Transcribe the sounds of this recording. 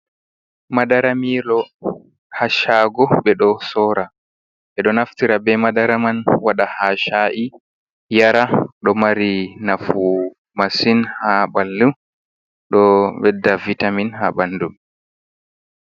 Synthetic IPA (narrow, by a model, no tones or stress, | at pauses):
madaɾamilɔ | haʃaːɡɔɓɛɗɔsɔːɾa | ɓɛɗɔnaftiɾabɛmadaɾamanwaɗahaʃaʔi | jaɾaɗɔmaɾinafu | masinhabalːu | ɗɔɓɛdavːitaminhabandum